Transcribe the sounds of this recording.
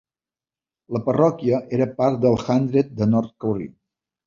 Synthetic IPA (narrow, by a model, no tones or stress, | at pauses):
ləpərɔkiəʔeɾəpaɾt̪̚d̪əlˠxand̪ɾet̪̚d̪ənɔɾt̪̚kəwrḭ